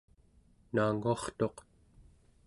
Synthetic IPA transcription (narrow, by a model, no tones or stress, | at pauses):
naːŋuɑχt̪o̞q